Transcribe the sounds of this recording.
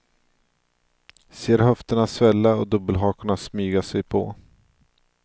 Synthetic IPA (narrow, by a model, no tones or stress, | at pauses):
seːɾɦœft̪əɳasvɛlːaɔd̪ɵbːəlɦɑːkʊɳasmyːɡasɛjpʰɔ̰